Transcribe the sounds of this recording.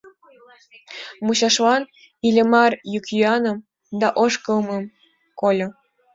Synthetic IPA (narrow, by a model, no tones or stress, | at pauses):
muɕɑʃlɑn | ilʲə̆mɑrjykjyɑnəm | d̪ɑʔoʃkəməm | kolʲŏ